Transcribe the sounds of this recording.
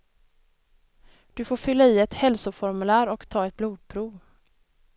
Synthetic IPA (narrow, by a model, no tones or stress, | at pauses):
d̪̥ɵfoːɾfʏlːaiːɛt̪hɛlsʊfɔɾmɵlæːɾɔkt̪ʰɑːɛt̪̚bluːd̪̚pʰɾuːv